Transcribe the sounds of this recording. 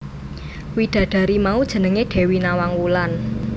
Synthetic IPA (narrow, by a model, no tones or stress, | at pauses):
wiɖ̪̥ä̤ɖ̥ä̤ɾimaud̥ʒ̥ə̤nəŋeɖ̥e̤winawaŋwulan